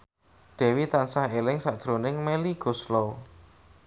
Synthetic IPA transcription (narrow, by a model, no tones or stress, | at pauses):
d̪̥ɛ̤wit̪ansahelɪŋsaʔd̥ʒ̥ɾonɪŋmeliɡ̥o̤slo